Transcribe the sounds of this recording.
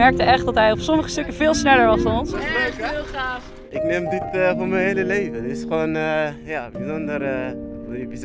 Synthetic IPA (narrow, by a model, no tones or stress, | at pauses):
ɛɹk̚təɛχtdɑtɦɛjɔpsɔməχəstɵkəvɪːlˠsnɛləɹʋɑsdɑnɔns | aːf | ɪknemdɪtəfʊːɹmɛnɦejləlejvətɪsχoːnəjabizɔndər | jəbiz